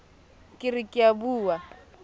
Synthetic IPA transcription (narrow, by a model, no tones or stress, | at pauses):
kʼɪɾikʼɪabuːwa